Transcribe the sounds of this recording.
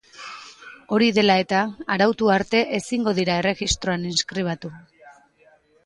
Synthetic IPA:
o̞ɾiðe̞lae̞t̪aːɾawt̪uaɾt̪e̞ʔesiŋɡo̞ðiɾae̞re̞ɣist̪ɾo̞aninskɾiβ̞at̪u

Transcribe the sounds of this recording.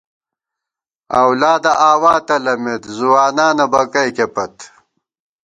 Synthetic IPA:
ɐ̰wlaːd̪ɐʔaːwaːt̪ɐlɐmet̪zuwaːnaːnɐbɐkɐjkepɐt̪

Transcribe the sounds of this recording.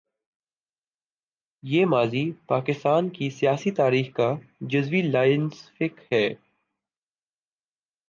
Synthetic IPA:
jeːmaːzipaːkɪst̪aːnkisijaːsit̪aːɾiːxkad͡ʒɐzʋilaːɪnsfɪkhɛː

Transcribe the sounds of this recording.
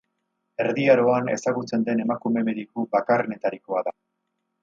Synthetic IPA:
e̞ɾðiaɾo̞ane̞̰saɣut͡se̞nd̪e̞ne̞makume̞me̞ðikubakarene̞t̪aɾiko̞aða

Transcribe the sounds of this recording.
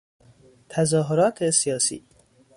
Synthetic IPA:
t̪ʰæzɒːɦoɾɒːt̪ʰesijɒːsḭː

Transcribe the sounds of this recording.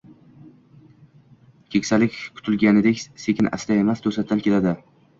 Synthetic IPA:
kʲʰekʲsalɪkʲkʰʊ̥t̪ʰɪlɡʲanɪd̪ekʲse̞kʲʰɪnʔa̰sd̪ae̞mast̪ʰɵsat̪̚d̪ankʲʰe̞lad̪ɪ

